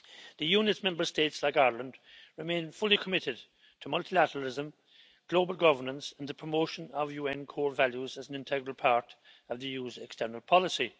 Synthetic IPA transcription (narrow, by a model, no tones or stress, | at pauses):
ðəjunɨtsmɛ̃mbə˞steɪtslaɪkaɪlə̃ndɹɪmẽɪ̃nfʊlikʰəmɪɾɪd̚ | tʰəmʌlˠtʰilæɾəɹəl̩ɪzə̃m | ɡ̥loʊbəl̩ˠɡʌvə˞nə̃nsə̃nðəpʰɹ̥əmoʊʃə̃nəvjuːɛ̃nkʰɔːɹvæljuzəzn̩ɪ̃ntʰɛɡɹəlˠpʰaɹɾ | ʌvðəjuːzɛkstɜ˞nəlˠpʰɑlɪsi